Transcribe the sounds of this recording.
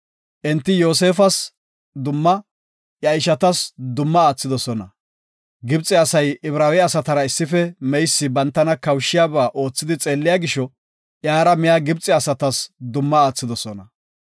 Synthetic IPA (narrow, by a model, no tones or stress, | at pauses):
ʔɛnt̪ːɪjo̞ːs̬e̞ːfɐs | d̪ʊmːɐ | jɐjʃɐt̪ɐsd̪ʊmːɐaːt͡sːɪd̪ɔsɔnɐ | ɡɪbt͡sʼːɪɐsɐjɪβɾaːwɛɐsɐt̪ɐɾɐɪsːɪfɛmɛjsːɪbɐnt̪ːɐnɐkɐwʃːɪjaːbaːʔo̞ːt͡sːɪd̪ɪt͡sʼe̞ːlːɪjaːɡɪʃːɔ | ʔjaːɾɐmɪjaːɡɪbt͡sʼɪɐsɐt̪ɐsd̪ʊmːɐaːt͡sːɪd̪ɔsɔnɐ